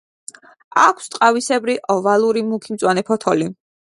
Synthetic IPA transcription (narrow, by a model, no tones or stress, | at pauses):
akʰst̪ʼqʼavisɛbɾiʔɔvalˠuɾimukʰimt̪sʼwanɛpʰɔt̪ʰɔli